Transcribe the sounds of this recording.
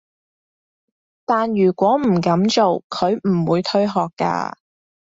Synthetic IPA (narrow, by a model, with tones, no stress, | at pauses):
t̪aː˨njyː˨˩kʷɔː˨˥m̩˨˩kɐ˨˥mt͡ʃo˨wkʰɵ˨˧ɥm̩˨˩wuː˨˧jt̪ʰɵ˥ɥɦɔː˨kːa̰ː˧